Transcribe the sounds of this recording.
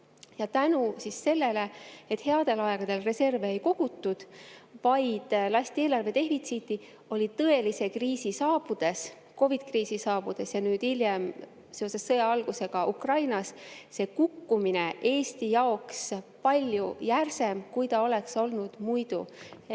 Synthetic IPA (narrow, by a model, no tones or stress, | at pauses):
jɑt̪ænusisːe̞lːe̞le̞et̪he̞ɑd̪̥e̞lɑeɡ̥ɑd̪e̞lre̞se̞rveːejko̞ɡ̥ut̪ːˑud̪̥vɑjd̪̥lɑsʲt̪ieːlɑrve̞d̪e̞ɦvit̪sit̪ːˑi | o̞lʲit̪ɤe̞lise̞kriːsisɑːb̥ud̪̥e̞s | ko̞vid̪̥kriːsisɑːb̥ud̪̥e̞sjɑnyːd̪̥iljem | se̞o̞se̞sːɤjɑɑlɡ̥use̞ɡ̥ɑʔukrɑjnɑsse̞kukːumine̞ʔe̞ːst̪ijɑo̞kspɑlʲjujærse̞mkujt̪ɑo̞le̞kso̞lnud̪̥mujd̪̥ṵ